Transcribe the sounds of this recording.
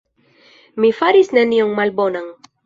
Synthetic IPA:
mifaɾisne̞nioŋmalbo̞nan

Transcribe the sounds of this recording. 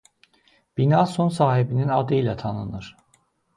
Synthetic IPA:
b̥inɑːsonsɑːɦibininɑd̪ɯilæt̪ʰɑnɯnɯɾ̥

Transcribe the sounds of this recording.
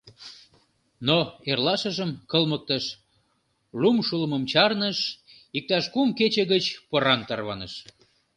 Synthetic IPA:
noerlɑʃəʒəmkəlmək̚t̪əʃ | lumʃulməmt͡ɕɑrnəʃ | ik̚t̪ɑʃkumket͡ɕeɣət͡ɕpəɾɑnt̪ɑrβɑnəʃ

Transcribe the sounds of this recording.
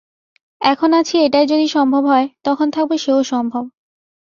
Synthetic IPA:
ɛkʰonat͡ɕʰieʈaejd͡ʑod̪iʃɔmbʱobɦɔet̪ɔkʰont̪ʰak̚beʃeoʃɔmbʱob

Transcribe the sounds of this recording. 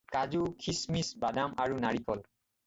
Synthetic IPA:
kazukʰismisbadamaɹunaɹikʰɔl

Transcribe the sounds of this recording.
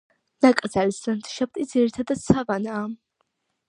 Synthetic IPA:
nak̪ʼzalsant̪ʰʃab̚t̪ʼid̪ziɾit̪ʰad̪ad̪̚t̪sʰavanaː

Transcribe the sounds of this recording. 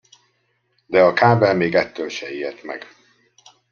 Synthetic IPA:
d̪ɛɒkaːbɛlmeːɡɛt̪ːølʃɛiːrt̪mɛ̰ɡ

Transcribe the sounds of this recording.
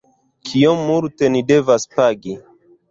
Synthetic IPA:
kʰijomːulte̞nide̞vaspaɡi

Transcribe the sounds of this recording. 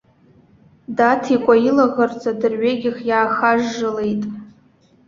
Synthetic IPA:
datʰikʷʼailaɣart͡sʼadɨrɥeɡʲɪχjaːχaʒːɨle̞jtʼ

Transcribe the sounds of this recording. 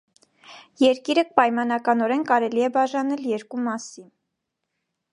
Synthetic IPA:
jɛɾkiɾək̚pɑjmɑnɑkɑnɔɾɛnkɑɾɛliɛbɑʒɑnɛljɛɾkumɑsin

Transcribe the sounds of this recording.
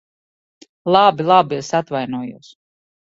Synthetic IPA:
lˠabilˠabiɪsat̪vajnuɔjṵːs

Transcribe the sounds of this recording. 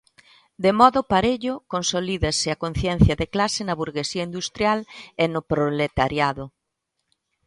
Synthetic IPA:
d̪emɔðʊpaɾeʎʊkonsoliðɐsɪɐkon̟θjɛn̟θjɐðeklasɪnɐβuɾɣesiɐind̪ust̪ɾjalenʊpɾolet̪aɾjaðʊ

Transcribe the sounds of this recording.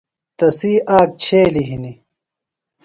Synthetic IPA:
t̪ɐsiːʔaːk̚t͡ɕʰeːliɦini

